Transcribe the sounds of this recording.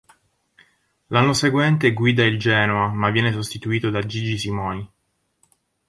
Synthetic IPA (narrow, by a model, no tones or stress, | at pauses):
lanːoseɡwɛnt̪eɡwiːd̪aild͡ʒɛːnoamavːjɛːnesost̪it̪uiːt̪od̪ad͡ʒid͡ʒisimɔːni